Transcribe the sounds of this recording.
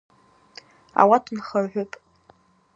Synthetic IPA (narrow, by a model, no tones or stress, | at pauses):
a̰watʰnχarħʷʊpʼ